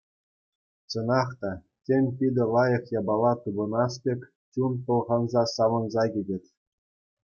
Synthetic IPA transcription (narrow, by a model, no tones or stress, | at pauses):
t͡ɕɤ̆nɑχt̪ɑ | tʲenʲpʲidʲɘ̆lˠɑjɤ̆χjɑbɑlˠːɑt̪ubɤ̆nɑspʲekʲ | t͡ɕunp̪ɤ̆lˠʁɑnzɑsɑʋɤ̆nzɑɡʲidʲɘ̆tʲ